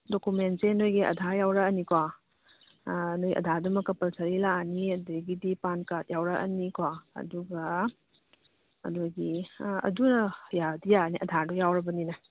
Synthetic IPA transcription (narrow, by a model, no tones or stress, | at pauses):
dokumentsenojɡiʔɐ̰dʱajawɾɐɐnikwa | nojʔɐ̰dʱadumɐkɐpɐlsɐɾilaniɐdɐɡidipankat̚jawɾɐʔɐ̰nikwaɐ̰duɡɐ | ɐ̰duɡiɐ̰dunɐjadijaniʔɐ̰dʱadujawɾɐbɐninɐ